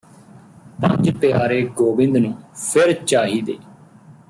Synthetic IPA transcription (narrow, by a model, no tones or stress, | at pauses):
pə̰̃ɲd͡ʒpɪjaːɾeːɡoːbɪ̃nd̪nũːpʰɪɾt͡ʃaːɦiːd̪ḛː